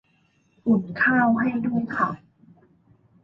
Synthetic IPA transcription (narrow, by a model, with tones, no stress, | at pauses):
ʔu˨˩nkʰaː˥˩wɦa˥˩jdu˥˩əjkʰa˧˥˩